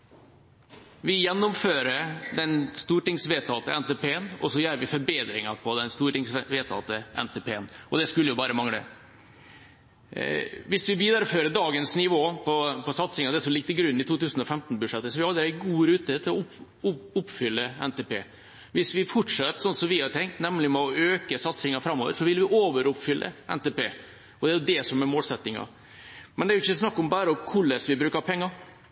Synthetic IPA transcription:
ʋɪjɛnːɔmføːɾəd̪ɛnst̪uːʈɪŋsʋeːt̪ʰɑt̪əɛnt̪epeːənɔsɔjæːɾʋɪfɔɾbeːd̪ɾɪŋɑpʰɔd̪ɛnst̪uːɾʈɪŋsʋeːt̪ʰɑ̰t̪əʔɛ̰nt̪eːpʰeːənɔd̪ɛskʉlːəjʊbɑːɾəmɑŋlə̰ | ʋɪsʋɪbid̪əɾføːɾəɖɑːɡənsnɪʋoːpʰɔpʰɔsɑt̪sɪŋɑd̪ɛæɾsɔliːk̚t̪ːɪɡɾʉnːɪt̪ʰuːt̪ʉːsənɔfɛmt̪nbʉd̪ʂɛt̪ːəsɔʋɪhɑd̪ːəæɪɡuːɾʉːt̪ət̪ʰɪlɔʊ | ʊʊpːfʏlːəɛnt̪ɛpeː | ʋɪsʋɪfɔʈʂɛt̪sɔnːsɔmʋɪhɑʈʰɛŋk̚t̪nɛmlɪmɛɔʔøːkəsɑt̪sɪŋɑfɾɑmːoːʋə̰ɾʂɔʋɪlʋɪʔoːʋəɾʊpfʏlːʔə̰ʔɛ̰nt̪ɛpeː | ɔd̪ɛæɾjʊd̪ɛsɔmɛmoːlsɛt̪ːɪŋɑ̰ | mɛnd̪ɛæɾʊɪçːəsnɑkːɔmbæːɾəɔkʰʊlːəsʋɪbɾʉːkɑɾpʰɛŋːɑɾ

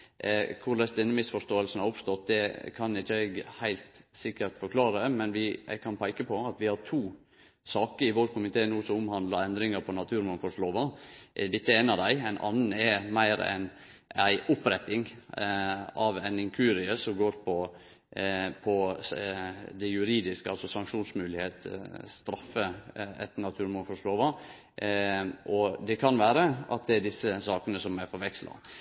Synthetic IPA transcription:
kʰʊɾlæsd̪ɛnːəmɪsfɔʂt̪oːəlsn̩hɑɾʊpst̪ɔt̪̚d̪ɛkʰɑnɪçːəɛɡhæɪlt̪sɪkːəɾt̪fɔɾkʰlɑːɾəmɛnʋɪɡ̚kʰɑnpʰæɪkəpʰɔɑt̪ʋɪhɑɾt̪ʰuː | sɑːkəɾɪʋoɾkʰʊmɪt̪ʰeːnuːsɔmʊmhɑnd̪ləɾɛnd̪ɾɪŋəɾpʰɔnɑt̪ʰʉːɾmɑnfɔʂloːʋɑʔd̪ɪt̪ːəeːnɑd̪æɪæɪnʔɑ̰nn̩ɛmæɪɾɛ̰n | æɪʔʊpɾɛt̪ːɪŋ | ɑʋænɪŋkʰʉːɾɪəsɔmɡoːɾpʰɔ | pʰɔ | d̪ɛjʉɾiːd̪ɪskəɑlsɔsɑŋkʂuːnsmʉːlɪheːt̪st̪ɾɑfːəɛ̰t̪nɑt̪ʰʉːɾmʊnfɔʂloːʋɑ | ʔɔd̪ɛkʰɑnʋæːɾəʔɑt̪̚d̪ɛæɖɪsːəsɑːkənəsɔmæɾfɔɾʋɛkslɑ̰

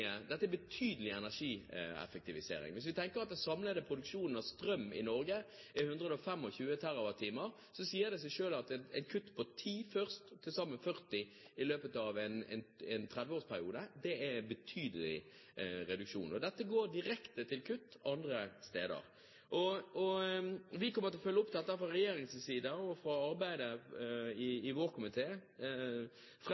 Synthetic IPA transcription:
əd̪ɛt̪ːəæɛbət̪ʰyːd̪əlɪɛnæʂiːɛ̰fək̚t̪ɪʋɪsḛːɾɪ̰ŋʋɪs̬ʋɪt̪ʰɛŋkəɾɑt̪̚d̪æsɑmləd̪əpʰɾʊd̪ʉkʂuːnn̩ɑʋst̪ɾœmːɪ̰nɔɾɡə | ɪhʉnd̪ʁəd̪ɔfɛmːɔçʉːət̪ʰæɾʊʋɑt̪ʰːiːməɾ | sɔsiːəd̪ɛsɛɪʂøːlɑt̪ɛɛ̰ɪnkʰʉt̪ːpʰɔt̪ʰiːfœʁst̪ʰːɪlsɑmːənfœʁt̪ɪ | ɪløːpət̪ɑʋɛnɛ̰nɛnt̪ʰʁɛd̪ʋəoːspʰæɾɪuːd̪əd̪ɛæbət̪ʰyːd̪əlɪ̰ | ɾɛd̪ʉkʃṵːnɔd̪ɛt̪ːəɡoːɾd̪ɪɾɛkt̪ət̪ʰɪlkʰʉt̪ːɑnd̪ɾəst̪eːd̪ə̰ɾ | ʔɔɔʋɪkɔmət̪ɪlfœlːəʊpt̪ʰɑt̪ːɑfɾɑʁɛjeːɾɪŋssiːd̪əɔfɾɑɑɾbæɪd̪ə | ɪɪʋoːʁkʰʊmɪt̪ʰeː | f

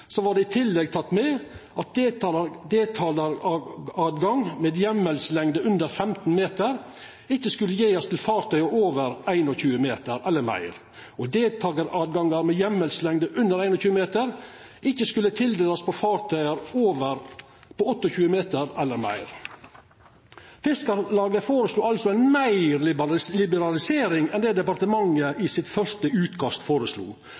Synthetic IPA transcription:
sɔʋɑːɖɛɪt̪ʰɪlːɛɡ̚t̪ʰɑt̪ːmɛːʔɑt̪̚d̪d̪eːt̪ʰɑːlə | ɑːd̪ɡɑŋmeːd̪jɛmɛlslɛŋd̪əʔʉnd̪əɾfɛmt̪n̩meːt̪əɾ | ɪçːəskʉlːəjeːɔst̪ɪlfɑːɾt̪ʰœʏəoːʋəɾæɪnɔçʉːəmeːt̪əɾɛlːəɾmæ̰ɪɾ | ɔd̪eːlt̪ʰɑɡəɾɑd̪̚ɡɑŋɑɾmɛjɛmɛlslɛŋd̪əʔʉnd̪əɾæɪnɔçʉːəmeːt̪əɾ | ʔɪçːəskʉlːət̪ʰɪld̪eːlɑspɔfɑːɾt̪ʰœʏəɾoːʋəɾ | pɔɔt̪ːɔçʉːəmeːt̪əɾɛlːəɾmæ̰ɪɾ | fɪskəɾlɑːɡəfoːɾəsluːɑlsɔæɪnmæɪɾlɪbəɾɑlɪseːɾɪŋɛnd̪ɛːd̪ɛpɑɾt̪əmɑŋəʔɪsɪt̪fœʂtəʉːt̪kʰɑst̪foːɾəslṵː

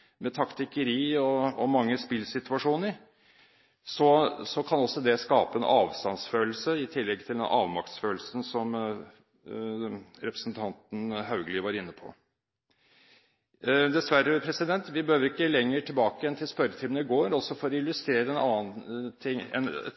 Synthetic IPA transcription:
mɛt̪ʰɑkt̪ɪkəɾiːɔɔmɑŋːəspɪlsɪt̪ʉɑʂuːnəɾ | sɔsɔkʰɑnɔsːɔd̪ɛskɑːpəɛnʔɑːʋst̪ɑnsføːlsəɪt̪ʰɪlːɛɡ̚t̪ʰɪld̪ɛnʔɑːʋmɑkt̪sføːlsən̩sɔm | ɾɛpɾə̥sn̩t̪ʰɑnt̪n̩hɑʉɡəlɪʋɑɾɪnːəpʰɔ̰ | d̪ɛsʋæɾəpʰɾɛsɪd̪ɛnt̪ʋɪbəhøːʋəɾɪkːəlɛŋːəʈʰɪlbɑːkəjɛnt̪ʰɪlspœɾət̪ʰɪmənəɪɡoːɾɔsɔfɔɾɪlːʉst̪ɾeːɾəɛnɑːnt̪ʰɪŋɛ̰n

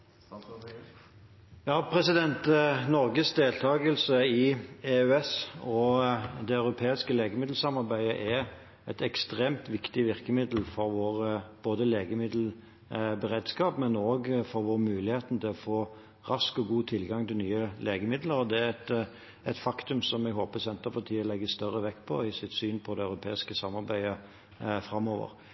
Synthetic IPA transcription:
jɑːpʰɾɛsɪd̪ɛnt̪nɔʁɡəsd̪eːlt̪ʰɑːɡəlsəɪeʉɛsɔd̪ɛœʉɾʊpʰeːɪskəleːɡəmɪd̪l̩sɑmɑʁbæɪə̰ʔɛ | ɛt̪ɛkst̪ʁeːmt̪ʋɪkt̪ɪʋɪʁkəmɪd̪l̩fɔɾʋoːʁb̥oːd̪əleːɡəmɪd̪l̩ | bɛʁeːd̪skɑːpmɛnoːɡfɔɾʋoːʁmʉːlɪheːt̪n̩t̪ʰɪlɔfoː | ʁɑskɔɡuːt̪ʰɪlɡɑŋt̪ʰɪlnyːəleːɡəmɪd̪ləɾɔd̪ɛæɛt̪ | ɛt̪fɑkt̪ʉmsɔmɛɡɦoːpəsɛnt̪əpɑt̪ʰiːəlɛɡːəst̪œʁəʋɛkːpʰɔɪsɪt̪syːnpʰɔd̪ɛɑʉɾʊpʰeːɪskəsɑmːɑɾbæɪə | fɾɑmːoːʋə̰ɾ

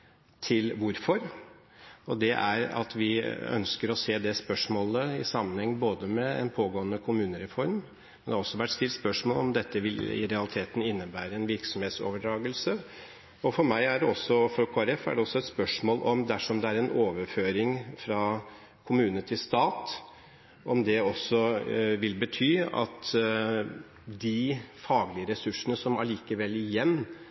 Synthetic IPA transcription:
t̪ʰɪlʋʊɾfɔɾ | ɔd̪ɛʔæ̰ɾɑ̰t̪ʰʋɪœ̰nskəɾɔseːd̪ɛspœʂmoːləɪ̰sɑmːənhɛŋːboːd̪əmɛɛ̰npʰoːɡoːənəkʰʊmʉːnəɾɛfɔɾm | mɛnd̪ɛhɑɾɔsːɔʋæʈːst̪ɪlt̪spœʂmoːlɔmd̪ɛt̪ːəʋɪlɪ̰ɾɛɑlɪt̪ʰeːt̪n̩ɪnːəbæːɾəɛnʋɪɾksɔmheːt̪so̰ːʋəɖɾɑːɡəlsə | ɔfɔɾmæɪæɖɛɔsːɔfɾɔkʰoːæɾɛfæ̰ɖɛɔsːɔɛt̪spœʂmoːlʔɔmd̪æʂɔmd̪ɛæɾɛnʔoːʋəɾføːɾɪŋfɾɑ | kʰʊmʉːnənət̪ʰɪlst̪ɑːt̪ | ʔɔmd̪ɛɔsːɔʋɪlbət̪ʰyːɑ̰t̪ | d̪ɪfɑːɡlɪəɾɛsʉʂənəsɔmɑliːkəʋɛlːɪjɛnː

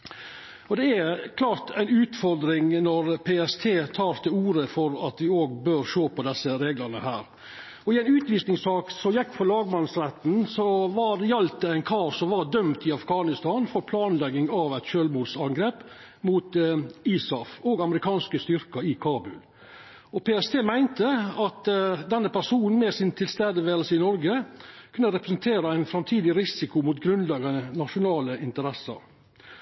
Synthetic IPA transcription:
ɔd̪ɛæɾkʰlɑːɾt̪ʰæɪnʉːt̪fɔɾd̪ɾɪŋnɔɾpʰeːɛst̪ʰeːt̪ʰɑːɾt̪ʰɪuːɾəfɔɾɑt̪ʋɪoːɡbøːɾʂoːpɔd̪ɛsːəɾeːɡlənəhæːɾ | ɔɪæɪnʉːt̪ʋiːsnɪŋsɑːksɔjɛkːfɔlɑːɡmɑnsɾɛt̪n̩sɔʋɑjɑlt̪əæɪnkʰɑːsɔʋɑd̪œmt̪ɪɑfɡɑːnɪst̪ɑːnfɔɾpʰlɑːnlɛɡːɪŋɑʋæɪt̪ʃøːlmuːd̪sɑŋɡɾeːp | muːt̪iːsɔfoːɡɑməɾɪkʰɑːnskəst̪ʏɾkɑɪkʰɑːbʉ̰l | ɔpeːɛst̪ʰeːmæɪnt̪əɑt̪d̪ɛnːəpæʂuːnn̩mɛsɪnt̪ʰɪlst̪æːd̪əʋeːɾəlsəɪnɔɾɡəkʰʉnːəɾɛpɾəsənt̪ʰeːɾɑæɪnfɾɑmt̪ʰiːd̪ɪɾɪsɪkʊmʊt̪ɡɾʉnlɛɡənənɑʂʊnɑːləʔɪnt̪əɾɛsɑ̰ɾ

